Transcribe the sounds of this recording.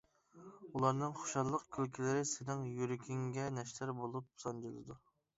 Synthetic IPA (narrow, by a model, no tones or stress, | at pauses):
ulˠɑɾnɨŋχo̥ʃɑlˠːəqkʲʰølkʲʰilɪɾɪsɪnɪŋjyɾɪkʲʰiŋɡʲɛnɛʃlæɾbolˠup̚sɑnd͡ʒilˠɨ̰d̪u